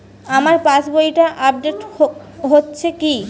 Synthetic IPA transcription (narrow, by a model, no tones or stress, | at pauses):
amaɾpãt͡ɕbojʈaʔab̚ɖeʈ | ɦotːɕʰeki